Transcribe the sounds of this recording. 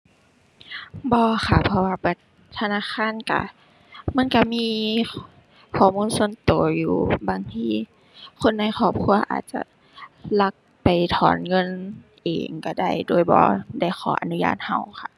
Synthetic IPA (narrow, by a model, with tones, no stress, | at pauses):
bɔː˧xʰa˧˩pʰɔ˧waː˧ba˧˩t | t̪ʰa˧naː˧˥˨xaː˧˥˨nka̰˧˩ | ma˧˥˨nka˧˩miː˧˨ | kʰɔː˨˩muː˧˥˨nso˧˥˨nt̪oː˨˩˦juː˨˩baː˨ŋt̪ʰiː˧˥ | kʰo˧˥˨nːa˧˥˩jxʰɔː˧˩p̚kʰu˧ɐʔa̰ː˨˩t̪̚t͡ɕa̰˧ | la˧k̚ | pa˨˩jt̪ʰɔː˨˦nŋɤ˧˥˨nʔḛː˨ŋka˧˩da˧˩jdoː˧˩˨jbɔ̰ː˧˦da˧˩jxʰɔː˧˦ʔa̰˨nu˧˦ja̰ː˧˩˨t̪̚ha˧˩wxʰa˧